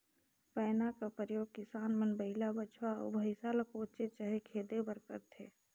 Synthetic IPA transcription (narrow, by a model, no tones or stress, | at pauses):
pɛːnakapəjoːɡ̚kɪsaːnmənbəɦɪlabət͡ʃʰwaɔ̰bʱəɪsalakoːt͡ʃet͡ʃəɦekʰeːd̪ebəɾkə̰ɾt̪ʰeː